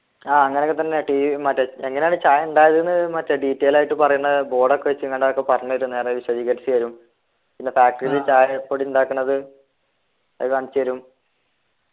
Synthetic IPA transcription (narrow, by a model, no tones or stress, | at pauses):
aːɐŋːɐneokːet̪ɐnːeʈiːimɐtːeeŋːɐnejaːɳɨt͡ɕaːjuɳɖaːjɐðenːɨmɐtːeɖiːtːeːjlaːjiʈːɨpɐrɐjunːɐðɨbo̞ːɽokːeʋet͡ɕːɨŋːɐɳɖeokːepɐrɐɲnːɐɐɾunːeːrɐʋiɕwɐðiːkːɐʈsɨʋɐɾum | pinːefaːk̚ʈɐrilet͡ɕaːjpːoːɽiiuɳɖaːkːuɳːɐðɨ | ɐðɨɐnt͡ɕːɨʋɐɾum